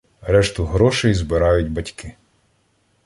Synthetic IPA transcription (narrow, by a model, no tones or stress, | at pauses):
ɾɛʃt̪ʊɦɾɔʃejizbɪɾɑjʊtʲbɐtʲkɪ